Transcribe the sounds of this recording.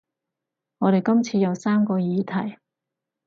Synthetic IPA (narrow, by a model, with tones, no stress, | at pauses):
ŋɔː˨˧ɾe˨˩jkɐ˥mt͡sʰiː˧jɐ˨˧wsaː˥mkɔː˧jiː˨˧t̪ʰɐ˨˩j